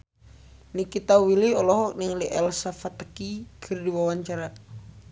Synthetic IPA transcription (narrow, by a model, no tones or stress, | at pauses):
nikit̪awiliɔlɔɦɔk̚niŋliʔɛlsafat̪əkikʰɨrdiwawaɲt͡ʃaɾa